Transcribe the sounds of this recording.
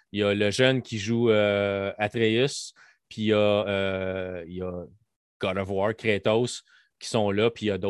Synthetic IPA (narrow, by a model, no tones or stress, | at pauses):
jʌləʒœnkʲiʒuəat̪ʁeʏs | pʰijʌː | jʌ | ɡ̥ɑɾɔvwɑɹkʲʁet̪os | kʲi̥sɔ̃lʌpijʌd̪o